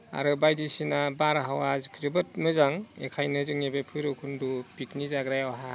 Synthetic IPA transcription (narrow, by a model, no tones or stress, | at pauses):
a̰ɾɯbajdisinabaɾɦawazkʰɯzɯbɯt̚mɯzaŋḛkʰajnɯzɯŋebepʰɯjɾɯkʰundupiknizaɡɾajawaɦa